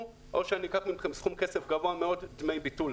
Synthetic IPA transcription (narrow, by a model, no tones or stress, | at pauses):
ʔoʃeanikaχmimχemsχumkesefɡavoameo̞ddmejbitul